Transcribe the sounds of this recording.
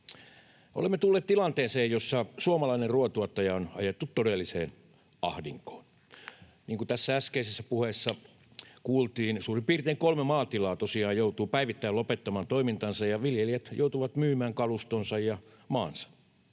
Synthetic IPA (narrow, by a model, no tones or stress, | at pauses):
ʔo̰lemːet̪ulːeːt̪t̪ilɑnt̪eːseːjjosːɑsuomɑlɑinerruot̪uot̪ːɑjɑonɑ̰jet̪ːut̪todelːiseːn | ʔɑ̰hdiŋko̥ːn | niːŋkut̪æsːææskeisesːæpuhesːɑ | kuːlt̪iːnsuːrimpiːrt̪eːŋkolmemɑːt̪ilɑːt̪osiɑːjjouwt̪uːpæiʋit̪ːæilopet̪ːɑmɑːnt̪oimint̪ɑnsɑjjɑʋiljelijæt̪jo̰ut̪uʋɑt̪myːmæːŋkɑlust̪onsɑjjɑ | mɑːnsɑ̥